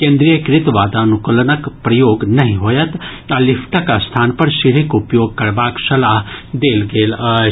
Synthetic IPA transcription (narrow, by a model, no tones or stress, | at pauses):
kẽːnd̪ɾijəkɾɪt̪ʋaːd̪anʊklənəkpɾɐjoːɡnɐɦĩɦoːjət̪ | ɐlɪfʰʈakast̪ʰaːnpɐɾʃɪɽɪkʊpjoːɡ̚kɐɾbaːksɐlaːɦd̪eːlɡeːla